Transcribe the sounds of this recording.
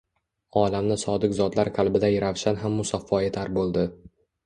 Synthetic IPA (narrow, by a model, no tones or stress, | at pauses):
ɒlamnɪsɒd̪ɪkzɒd̪laɾqʰalˠbɪd̪ajɾawʃanɦamːʊsɒfːɒet̪ʰaɾbolˠd̪ɪ